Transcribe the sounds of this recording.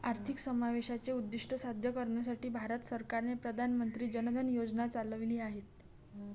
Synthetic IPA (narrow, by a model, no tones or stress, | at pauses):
aɾt̪ʰiksəmaʋeɕat͡seud̪ːiʂʈʰəsad̪ʱjəkəɾɳjasaʈiːbʱaɾət̪səɾkaɾnepɾəd̪ʱanmənt̪ɾiːd͡ʑənəd̪ʱənjod͡znat͡salʋliːaɦet̪